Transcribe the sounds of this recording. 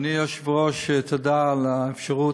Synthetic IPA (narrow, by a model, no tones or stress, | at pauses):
nijoʃvʁoʃet̪ʰod̪aːlaefʃaʁu